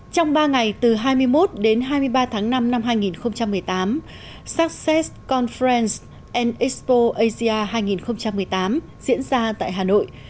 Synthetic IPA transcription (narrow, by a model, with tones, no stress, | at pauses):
t͡ɕɔ˧wŋ͡mɓaː˧ŋa˨˩jt̪ɨ˨˩ɦaː˧jmɨ˧əjmo˦˥t̚ɗe˨˦nɦaː˧jmɨ˧əjɓaː˧t̪ʰaː˨˦ŋna˧mna˧mɦaː˧jŋi˨˩nxə˧wŋ͡mt͡ɕa˧mːɨ˨˩əjt̪aː˨˦m | saː˦˥k̚sɛ˦˥skɔ˧nfɛ˧ns | ʔɛ˧nʔi˦˥spo˧ʔə˧jzi˧ʔaː˧ɦaː˧jŋi˨˩nxə˧wŋ͡mt͡ɕa˧mːɨ˨˩əjt̪aː˨˦m | zḭ˧˥ənzaː˧t̪a̰ː˧˨jɦaː˨˩no̰˧˨jʔ